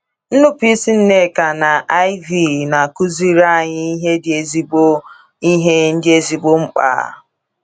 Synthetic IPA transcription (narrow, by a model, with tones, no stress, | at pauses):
n̩˦nʊ˦pi˦si˦n̩˦ne˦˨ka˨na˨ʔa˦i˦vi˦˨na˨ku˦zi˦ɾa˦˨ɲɪ˦i˦ɦe˦dɪ˨e˨zi˦bo˦ | i˦ɦe˦n̩˦dɪ˦e˦zi˨ɡ͡bo˦ŋ͡m̩˦k͡pa̰ː˨˦˨